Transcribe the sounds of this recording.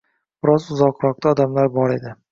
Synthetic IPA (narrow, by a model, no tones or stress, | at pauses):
b̥ɪɾɒzʊzɒqɾɒq̚t̪ʰaɒd̪amlaɾbɒɾe̞d̪ɪ